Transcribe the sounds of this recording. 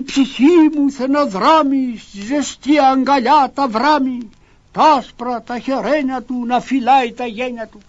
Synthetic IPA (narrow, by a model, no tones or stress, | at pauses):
psihimuθenavɾamiizest̪iaŋɡalʲat̪avɾami | t̪aspɾat̪aheɾeɲat̪unafilajt̪ajeɲʲat̪u